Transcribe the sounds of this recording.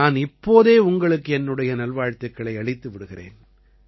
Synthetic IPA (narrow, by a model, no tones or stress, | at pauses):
aːnɪpːoːðeːʊŋɡɐɭɯkːɯɛnːɯɽɐjɐnɐlʋaːɻt̪ɐkːɐɭɐɪɐɭɪt̪ːɯʋɪɽɯɣɪrḛːn